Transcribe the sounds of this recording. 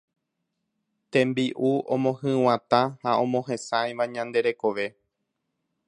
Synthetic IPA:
t̪ẽ̞mbiʔuõmõhɨ̃w̃ãt̪ãhaõ̞mõ̞ɦẽ̞sajʋaɲãnd̪e̞ɾe̞ko̞ʋe̞

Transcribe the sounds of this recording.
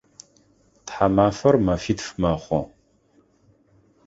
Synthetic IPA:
tħamaːfɐrmɐfitfmɐχʷɔ̰

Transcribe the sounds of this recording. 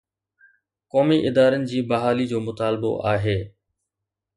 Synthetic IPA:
kɔːmiʔɪd̪aːɾənɪ̆d͡ʑiːbɐɦaːlid͡ʑoːmʊt̪aːlbo̰ʔaːɦeː

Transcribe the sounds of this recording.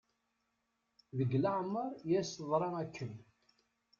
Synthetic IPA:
ðəɡlaʕmːəɾˤjæsəðˤɾˤɑækʰːən

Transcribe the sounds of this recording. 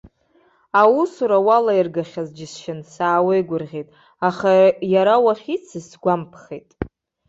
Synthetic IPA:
awusuɾawalairɡaχʲazd͡ʒɪsʃɪnsaːwejɡʷʊrʁʲejtʼ | aχajaɾawaχʲit͡sʰɨsɡʷampʰχejtʼ

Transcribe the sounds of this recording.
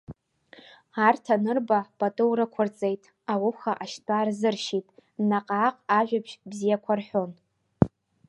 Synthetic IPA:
artʰanɨrbapʼatʼɨwɾɨkʷʰʊrt͡sʼe̞jtʼ | awʊχaʔaʃtʼaːrzɨrʃitʼnaqʼaːqʼaʒᶣapʃbzijakʷʰarħʷo̞n

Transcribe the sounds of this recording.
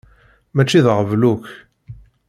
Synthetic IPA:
mæt͡ʃːiðʁəvluç

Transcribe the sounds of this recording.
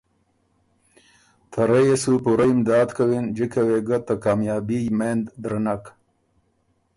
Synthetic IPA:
t̪ʰaɾejesupuɾaimd̪ɑːd̪kawind͡ʒikaweɡat̪akaːmjɑːbijmend̪d̪ɾanak

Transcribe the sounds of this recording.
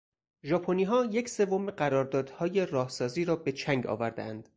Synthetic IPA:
ʒɒːpʰoniːɦɒːje̞cʰse̞vo̞meɢæɾɒːɾd̪ɒːd̪̥hɒːje̞rɒːhsɒːziːɾɒːbe̞t͡ʃʰæŋɡɒ̰ːvæɾd̪ḛænd̪̥

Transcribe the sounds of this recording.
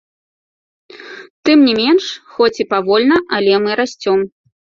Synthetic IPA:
t̪ɨmnʲɛmʲɛnʂxɔt͡sʲipavɔlʲnɐʔɐlʲɛmɨɾasʲt͡sʲɔm

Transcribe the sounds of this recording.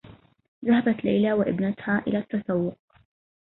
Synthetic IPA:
ðahabat̪lajlaːwɪʔɪ̰bnat̪haːʔɪlaːt̪ːasawːʊq̚

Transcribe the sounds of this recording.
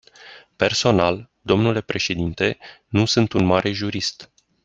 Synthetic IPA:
pe̞rso̞nal | d̪o̞mnule̞pɾe̞ʃe̞d̪int̪e̞nusɨnt̪unmaɾʔe̞ʒuɾist̪

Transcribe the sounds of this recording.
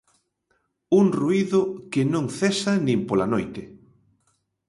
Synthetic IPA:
uŋruiðʊkɪnõŋθɛsanĩmpolanojt̪ɪ

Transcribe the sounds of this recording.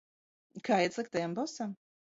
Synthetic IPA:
kʰaːjɛt̪slˠik̚t̪ajambɔsam

